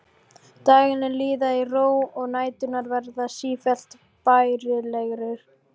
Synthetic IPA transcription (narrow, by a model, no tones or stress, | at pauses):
t̪aːɣɪnɛliːðairoːwɔɣnaːjt̪ʏnaɾvɛɾðasiːfɛl̥t̪ | pajɾɪlɛɣɾɪɾ̥